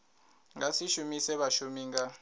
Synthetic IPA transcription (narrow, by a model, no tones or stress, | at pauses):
ŋasiʃumisɛɓaʃumiŋɡa